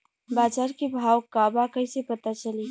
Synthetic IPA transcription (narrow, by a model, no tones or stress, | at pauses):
baːd͡ʒaɾkebʱawkabakəɪsepət̪at͡ʃəli